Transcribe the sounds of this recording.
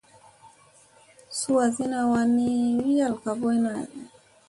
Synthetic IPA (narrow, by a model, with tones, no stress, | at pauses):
su˦a˨zi˦na˨wa˨ni˦wi˦a˦˨lka˨bɔ˦jna˨i˨